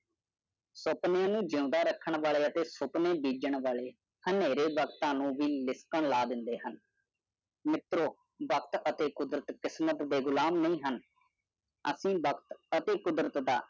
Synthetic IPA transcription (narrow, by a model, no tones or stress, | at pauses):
sʊpnejãːnũːd͡ʒõːd̪aːɾəkʰːəɳʋaːɭeːət̪eːsʊpneːbiːd͡ʒəɳʋaːleː | həneːɾeːʋəkt̪ãːnũːʋiːlɪskəɳlaːd̪ɪnd̪eːɦən | mɪt̪ɾoː | bəkt̪ət̪eːkʊd̪ɾət̪kɪsmət̪d̪eːɡʊlaːmnəĩːɦən | əsĩːbəkt̪ət̪eːkʊd̪ɾət̪d̪aː